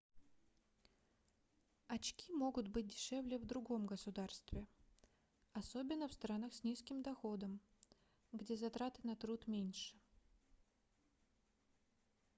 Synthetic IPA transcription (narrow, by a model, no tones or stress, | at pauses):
ɐt͡ɕkʲimo̞ɡʊt̪bɨt̚ʲdʲɪʂɛvlʲɪvd̪ɾʊɡo̞mɡəsʊd̪arst̪vʲɪ | ɐsobʲɪnːəfst̪ɾanaxsʲnʲiskʲɪmd̪ɐxo̞d̪əm | ɡdʲe̞zɐt̪ɾat̪ɨnɐt̪ɾut̪mʲenʲʂɨ̥